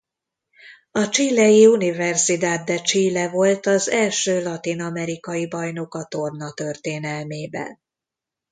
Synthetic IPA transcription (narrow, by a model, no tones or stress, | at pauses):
ɒt͡ʃilːɛjiunivɛrsid̪aːd̪̚d̪ɛt͡ʃiːlːɛvo̞lt̪ɒzɛlʃøːlɒt̪inɒmɛɾikɒjibɒjno̞kɒt̪o̞rnɒt̪ø̞rt̪eːnɛlmeːbɛ̰n